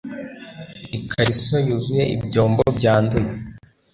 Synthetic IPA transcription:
ikʰaɾisojuzuje̞ʔḭbɟo̞ːmbobɟaːnduje

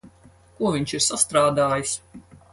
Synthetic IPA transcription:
kuɔviɲt͡ʃiɾsast̪ɾaːd̪aːjis

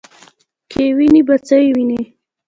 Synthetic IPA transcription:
kʰewinibat͡səiwini

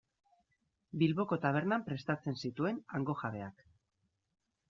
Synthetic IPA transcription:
bilβo̞ko̞t̪aβ̞e̞ɾnampɾe̞st̪at͡se̞nsit̪ue̞naŋɡo̞xaβe̞ak

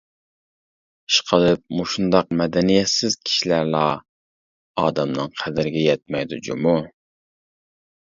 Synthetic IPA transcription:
i̥ʃqʰəlˠɨp̚muʃund̪ɑq̚mɛd̪ɛnijɛt̪sɪz̥kʲʰi̥ʃilæɾlˠɑ | ɑːd̪ɛmnɨŋqʰæd̪ɪɾɪɡʲɛjɛt̪̚mɛjd̪ud͡ʒṵmu

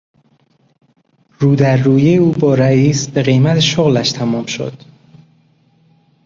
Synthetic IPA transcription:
ruːd̪æɾːuːjejuːbɒːɾæiːsbe̞ɣe̞jmæt̪ʰeʃoɣlæʃt̪ʰæmɒːmʃo̞̰d̪̥

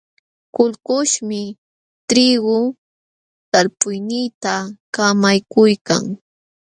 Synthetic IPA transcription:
kʊlkʊʃmɪ | t̪ɾɪɡʊ | t̪alpʊjnɪjt̪akamajkʊjka̰ŋ

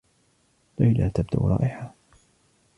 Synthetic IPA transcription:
lajla̰ːt̪ab̚d̪a̰ʔɾˤɑ̰ːʔɪħa

